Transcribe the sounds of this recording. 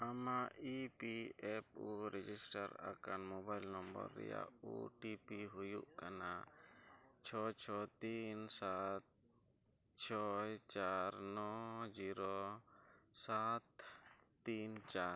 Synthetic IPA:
amaʔipiɛp̚uɾɛd͡ʒisʈaɾa̰kanmobajlnɔmbə̰ɾːɛ̰ja̰uʈipiɦujuʔkana | t͡ʃʰɔt͡ʃʰɔt̪insat̪̚ | t͡ʃʰɔjt͡ʃaɾnɔd͡ʒiɾɔ | sat̪ː | int͡ʃaɾ

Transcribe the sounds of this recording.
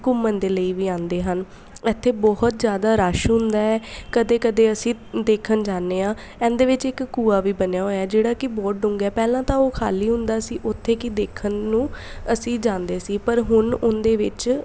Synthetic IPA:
kʊmːənd̪eːləiːʋiːãːnd̪eːɦən | ɛt̪ʰːeːbɔɦʊt̪zjaːd̪aːɾaːʃɦʊ̃nd̪aːɛːkəd̪eːkəd̪eːəsĩːd̪eːkʰənd͡ʒaːnːeːãː | ɛ̃ːnd̪eːʋɪt͡ʃɪkːuːaːʋiːbənjaːɦoːjaːd͡ʒeːɽaːkɪbɔːʈ̚ɖʊ̃ŋɡɛːpɛːlãːt̪ãːoːkʰa̰ːliːɦʊ̃nd̪aːsiːʔʊt̪ʰːeːkɪd̪eːkʰənːũːəsĩːd͡ʒãːnd̪eːsiːpəɾɦʊnʊnd̪eːʋɪt͡ʃ

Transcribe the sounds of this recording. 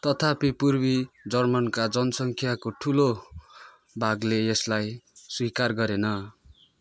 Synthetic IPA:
t̪ʌt̪ʰapipurbid͡zʌrmʌnkad͡zʌnʌsʌŋkʰjakoʈʰulo | bʱaɡleeslajswikarɡʌɾenʌ

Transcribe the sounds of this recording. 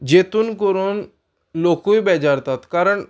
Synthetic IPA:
d͡ʑet̪uːnkoɾuːn | lokujbɛd͡ʑaɾt̪at̪kaɾəɳ

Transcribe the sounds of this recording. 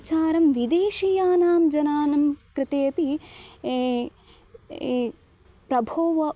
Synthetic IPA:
t͡ʃaːɾɐmʋid̪eːʃijaːnaːmd͡ʒɐnaːnɐmkɾɪt̪eːpie | pɾɐbʱoːʋɐ

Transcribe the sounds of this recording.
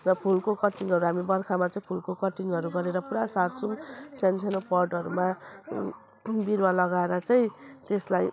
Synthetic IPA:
rʌpʰulkokʌʈiŋʌɾuɦamibʌrkʰamat͡sʌĩpʰulkokʌʈiŋʌɾuɡʌɾeɾʌpuɾasarsumsansʰenopʌrɖʌɾuma | biɾwalʌɡaeɾʌt͡sʌĩt̪eslaj

